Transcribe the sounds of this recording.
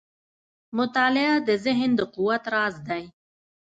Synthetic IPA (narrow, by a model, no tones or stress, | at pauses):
mʊt̪ɑːlɪad̪əzɪɦnd̪əqʊwat̪ɾɑːzd̪aj